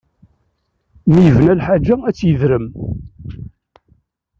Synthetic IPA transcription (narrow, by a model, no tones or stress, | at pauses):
mijəvnælħad͡ʒææt͡sːjəðɾəm